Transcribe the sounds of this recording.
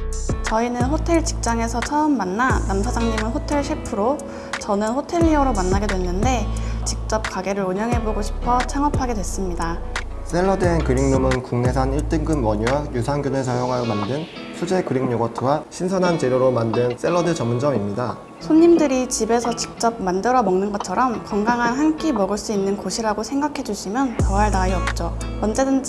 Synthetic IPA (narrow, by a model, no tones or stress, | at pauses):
t͡ɕʌinɯnɸotʰe̞ɭt͡ɕi̥k̚t͡ɕ͈aŋe̞sʰʌt͡ɕʰʌɯmːanːanamsʰad͡ʑaŋɲimɯnɸotʰe̞ɭɕʰepʰɯɾo | t͡ɕʌnɯnɸotʰe̞ʎːioɾomanːaɡe̞dwe̞nːɯnde̞t͡ɕik̚t͡ɕ͈ʌp̚kaɡe̞ɾɯɾuɲʌŋɦe̞boɡoɕʰi̥pʰʌt͡ɕʰaŋʌpʰaɡe̞dwe̞s͈ɯmɲida | s͈e̞ɭːʌdɯenkɯɾiŋnomɯnkuŋne̞sʰaniɭt͈ɯŋɡɯnwʌɲuwajusʰaŋɡunes̬ʰʌjʌɡajʌmandɯn | sʰud͡ʑe̞kɯɾiŋɲoɡʌtʰɯwaɕʰinsʰʌnɦant͡ɕeɾjoɾomandɯns͈e̞ɭːʌdɯt͡ɕʌmːund͡ʑʌmimɲida | sʰoɲːimdɯɾit͡ɕibe̞sʰʌt͡ɕi̥k̚t͡ɕ͈ʌp̚mandɯɾʌmʌŋnɯnɡʌt͡ɕʰʌɾʌmkʌŋɡaŋɦanhank͈imʌɡɯɭs͈uinːɯnkoɕʰiɾaɡosʰe̞ŋɡakʰe̞d͡ʑuɕʰimjʌnt͡ɕʌwaɭnaiʌp̚t͡ɕ͈omʌnd͡ʑedɯnd͡ʑ